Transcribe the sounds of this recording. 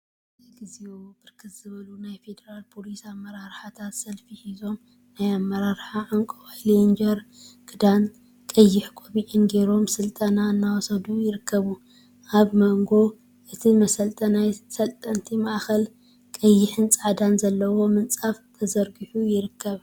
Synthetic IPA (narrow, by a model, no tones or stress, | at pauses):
ɨɡɨziob̥ɨɾkʰɨt̪z̥ɨβɐlunajfe̞d̪ɐɾalpʰo̞lisamːɐɾaɾħat̪ʰat̪sɐlfihizo̞m | najamːɐɾaɾħaʕaŋkʼowalind͡ʒɐɾɡ̥ɨd̪an | kʼɐjːɪħkʼoβiʔɪnɡe̞ɾo̞msɨlt̪ʼɐnanːawɔsɐd̪ujɪɾɨkːɐβu | ʔaβmɐŋɡo̞ | ʔɨt̪ʰimɐsɐlt̪ʼɐnajsɐlt̪ʼɐnt̪ʰimaʔxɐl | kʼɐjːɪħɨnt͡sʼaʕad̪anzɐlːɐwo̞mɨnt͡sʼaft̪ʰɐzɐɾɡɨħujɪɾɨkʰːɐβ